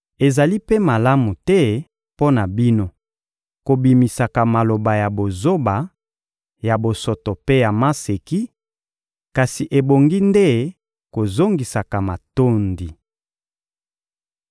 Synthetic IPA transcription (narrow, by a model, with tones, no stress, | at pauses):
e˨za˨li˦pe˦ma˨la˦mu˨tɛ˦ | po˦na˨bi˦no˦ | ko˨bi˨mi˨sa˨ka˨ma˨lo˨ba˨ja˨bo˨zo˦ba˨ | ja˨bo˨so˨to˨pe˦ja˨ma˦se˨ki˦ | ka˨si˨ʔe˨bo˨ŋɡi˦nde˦ | ko˨zo˦ŋɡi˨sa˨ka˨ma˨to˦ndi˨